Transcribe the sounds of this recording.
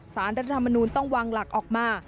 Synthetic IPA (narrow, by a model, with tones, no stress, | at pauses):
saː˩˦nɾa˧a˧t̪ʰa˧ma˧nuː˧nt̪ɔ˥˩ŋwaː˧ŋla˨˩k̚ʔɔː˨˩k̚maː˧˩